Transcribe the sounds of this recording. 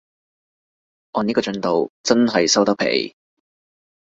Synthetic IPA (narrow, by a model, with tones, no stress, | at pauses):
ʔɔː˧niː˥kɔː˧t͡ʃɵ˧nt̪o˨wt͡sɐ˥nɦɐ˨jsɐ˥wt̪ɐ˥pʰḛ˨˩j